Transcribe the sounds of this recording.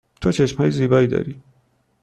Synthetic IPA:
t̪ʰot͡ʃʰeʃmhɒːjeziːbɒːiːd̪ɒ̰ːɾiː

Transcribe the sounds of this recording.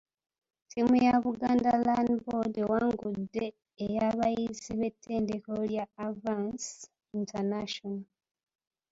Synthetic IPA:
tʰiːmujaβuɡaːndalandbodewaːŋɡudːe̞ː | jaβajiziβe̞tʰːe̞ːnde̞koljaːvans | intʰanaʃona

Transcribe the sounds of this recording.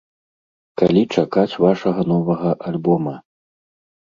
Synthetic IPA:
kalʲit͡ʂakat͡sʲvaʂɐɣɐn̪ɔvɐɣɐʔalʲbɔmɐ

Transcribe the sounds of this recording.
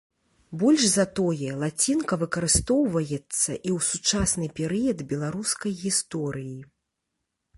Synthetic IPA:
bɔlʲʂzɐt̪ɔjɛlˠat͡sʲinkɐvɨkɐɾɨst̪ɔwvɐjɛt̪sːɐʔiwsut͡ʂasnɨpʲɛɾɨjɐd̪bʲɛlˠaɾuskɐjɣʲist̪ɔɾɨji

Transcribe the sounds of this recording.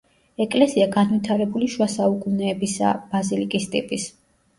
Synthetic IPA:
ɛkʼlɛsiaɡanwit̪ʰaɾɛbuliʃwasaukʼunɛːbisa̰b̥azilikʼist̪ʼḭpʼis

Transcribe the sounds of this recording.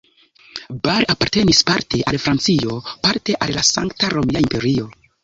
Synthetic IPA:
baɾapaɾte̞nispaɾte̞ʔalfɾant͡sio̞paɾte̞ʔalːasaŋktaɾo̞miaimpe̞ɾio̞

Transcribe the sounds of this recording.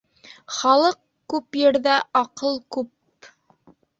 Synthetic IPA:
χɑlˠɤq̚ | kʉpjɘ̆ɾðæʔɑqɤlˠkʉp

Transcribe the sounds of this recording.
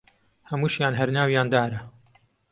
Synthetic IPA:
hɐmuːʃjaːnɦɐɾnaːwjaːnd̪aːɾɐ

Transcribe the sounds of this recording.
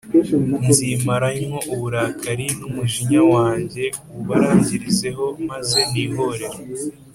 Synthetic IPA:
nzimaɾaɲwoʔuβuɾaːkʰaɾinumuʒiɲawaːɲɟe̞ | uβaɾaːɲɟiɾize̞ɦo̞maze̞niːɦo̞ɾe̞ɾo

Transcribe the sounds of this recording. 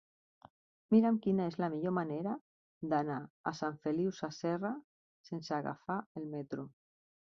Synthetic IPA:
miɾamkinaezlamiʎomaneɾa | d̪anaːsaɱfeliwsasɛra | sensaɣa̰faelmɛt̪ɾu

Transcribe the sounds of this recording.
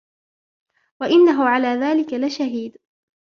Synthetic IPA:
waʔɪnːaɦʊʕalaːðaːlɪkalɪʃaɦiːd̪

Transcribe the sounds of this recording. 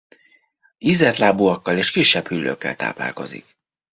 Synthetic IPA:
izɛrt̪laːbuɒkːɒleːʃkiʃːɛphylːø̰kːɛ̰lt̪a̰ːpla̰ːlko̞̰zḭk

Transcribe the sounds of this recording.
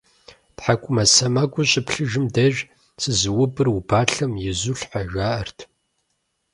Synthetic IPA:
tħakʷʰʼʊmɐsɐmɐɡʷʼʊɕʼɪpɬɨʒɪmdɐʒ | sʰɨzɨwʊbɨrubaːɬɐmjɪzuɬħaʒʷaːʔɐrtʰ

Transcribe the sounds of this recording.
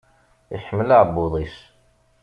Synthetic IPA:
iħəmːəlaʕbːuðˤis

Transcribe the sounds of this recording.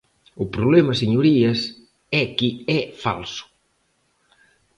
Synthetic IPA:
ʊpɾouβlɛmɐseɲuɾiɐs | ɛkiɛfa̰lsʊ̥

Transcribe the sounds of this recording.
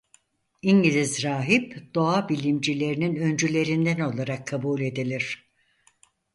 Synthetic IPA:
iɲɟilʲizɾaːɦipd̪̥o̞abilʲimd͡ʒilʲe̞ɾininø̞nd͡ʒylʲe̞ɾind̪æno̞lˠaɾakʰːabuːlʲe̞d̪ilʲiɾ̥

